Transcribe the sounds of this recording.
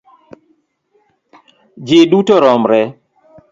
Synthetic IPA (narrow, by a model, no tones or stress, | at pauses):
d͡ʒɪdutɔɾɔmɾɛ